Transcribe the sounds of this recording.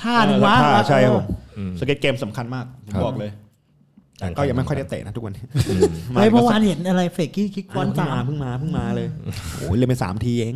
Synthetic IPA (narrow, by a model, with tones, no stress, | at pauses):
t̪ʰaː˥˩nɯ˧aː˦˥aː˥˩t͡ɕʰa˥˩jkʰa˧˥pʰo˩˦msa˨˦ke˦t̪̚keː˧msa˨˩˦mkʰa˧nmaː˥˩k̚bɔː˨˩k̚lɤː˧j | kɔː˥˩ja˨˩ma˥˩kʰa˥˩t̪ḛ˨˩na˦˥t̪ʰu˦˥wa˧niː˦˥˩maa˧jpʰɔ˧˦waː˧nhe˨˩˦nʔa˧ɾa˧jfeː˨˩kːiː˥˩kʰi˦˥t̪̚fɔː˨˦˥nʰa˧˩m˧aː˧pʰɯ˥˩ŋmaː˧pʰɯ˥˩ŋmaː˧lɤː˧jo̰ː˦˩le˧˥˩mpa˧sa̰ː˩˦mt̪ʰiː˧ʔeː˧˥ŋ